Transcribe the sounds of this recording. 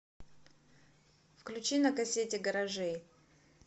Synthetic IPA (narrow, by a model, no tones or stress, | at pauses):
fklʲut͡ɕinɐkɐsʲetʲɪɡəɾɐʐɛj